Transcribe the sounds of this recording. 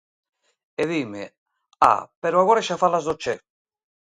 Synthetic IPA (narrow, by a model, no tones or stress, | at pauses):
eðimḛ | a̰peɾoaɣoɾeʃafalazðot͡ʃe